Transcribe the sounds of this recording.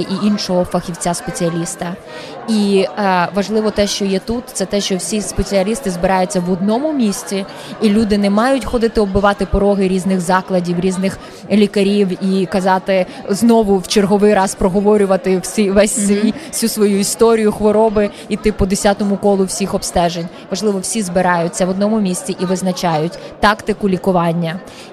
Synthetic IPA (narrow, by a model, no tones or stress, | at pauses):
ɪʔiʔinʃɔɦɔfɐxʲiwt͡sʲaspet͡sʲiɐlʲist̪ɐ | i | ʋɐʒlˠɪʋɔt̪ɛʃt͡ʃɔjɛt̪ut̪t̪sɛt̪ɛʃt͡ʃɔwsʲispet͡sʲiɐlʲist̪ɪzbɪɾɑjʊt͡sʲːɐʋɔd̪nɔmʊmʲisʲt͡sʲiː | lʲud̪ɪnɛmɑjʊtʲxɔd̪ɪt̪ɪɔbɪʋɑt̪ɪpɔɾɔɦɪɾʲiznɪɣzɑklˠɐdʲiwɾʲiznɪx | lʲikɐɾʲiwikɐzɑt̪ɪ | znɔʋʊwt͡ʃerɦɔʋɪjɾɑspɾɔɦɔʋɔɾʲʊʋɐt̪ɪwsʲiʋɛsʲsʲi̥sʲusʋɔjuist̪ɔɾʲijʊxʋɔɾɔbɪ | it̪ɪpɔd̪esʲat̪ɔmʊkɔlˠʊwsʲixɔpst̪ɛʒenʲ | ʋɐʒlˠɪʋɔwsʲizbɪɾɑjʊt͡sʲːɐʋɔd̪nɔmʊmʲisʲt͡sʲiʔiʋɪznɐt͡ʃɑjʊtʲt̪ɑkt̪ɪkʊlʲikʊʋɑnʲːɐ